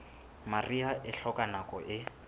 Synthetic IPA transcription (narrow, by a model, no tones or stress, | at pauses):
mariaʔɪɬɔkʼanakʼɔʔɪ